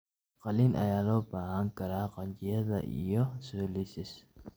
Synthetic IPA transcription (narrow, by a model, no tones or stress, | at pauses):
qɑliːnʔɐ̰jaːlɔːbaːɦɐŋkʰɐɾaːqɑɲt͡ʃɪjɐðɐ̰ʔḭjɔsɔːlɪsɪs